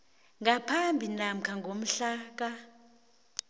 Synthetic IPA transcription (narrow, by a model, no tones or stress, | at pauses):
ŋɡʱapʰambʱinam̩kʰaŋɡʱom̩ɬaːk̬a